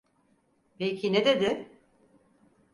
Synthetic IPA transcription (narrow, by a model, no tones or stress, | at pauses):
pecʰined̪e̞d̪ɪ